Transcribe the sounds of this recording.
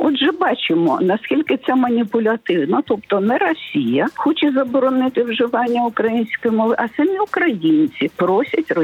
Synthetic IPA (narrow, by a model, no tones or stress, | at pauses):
ɔd̪ʒɛbɑt͡ʃɪmɔ̰nɐsʲkʲilʲkɪt̪sɛmɐnʲipʊlʲɐt̪ɪwnɐt̪ɔp̚t̪ɔnɛɾɔsʲijɐxɔt͡ʃɛzɐbɔɾɔnɪt̪ɪwʒɪʋɑnʲːɐʊkɾɐjinʲsʲkɔjimɔlˠɪʔɐsɐmʲiʊkɾɐjinʲt͡sʲipɾɔsʲɐtʲrɔ